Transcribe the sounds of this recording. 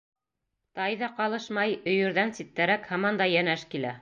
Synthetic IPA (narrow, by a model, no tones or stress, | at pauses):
t̪ɑjðɑqɑlˠɤʃmɑjɵ̆jɵ̆ɾðænsit̪ːæɾækhɑmɑnd̪ɑjænæʃkilæ